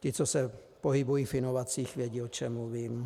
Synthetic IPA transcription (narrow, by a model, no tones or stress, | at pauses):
cɪt͡sosɛ | poɦɪbujiːfɪnovat͡siːxvjɛɟiːot͡ʃɛmːuviːm